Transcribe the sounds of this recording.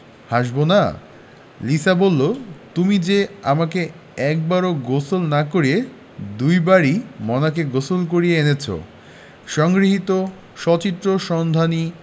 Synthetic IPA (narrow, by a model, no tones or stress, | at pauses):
haʃbona | lisabolːot̪umid͡ʑeamake | ɛk̚baɾoɡosolnakoɾie | d̪ujbaɾimɔnakeɡosolk̬oɾieenet͡ɕʰo̰ | ʃɔŋɡɾiɦit̪o | ʃɔt͡ɕit̪ːɾoʃɔnd̪ʱani